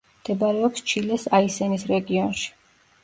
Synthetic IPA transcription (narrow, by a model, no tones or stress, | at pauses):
md̪̥ɛbaɾɛɔpst͡ʃʰilɛsaisɛnisɾɛɡiɔnʃi̥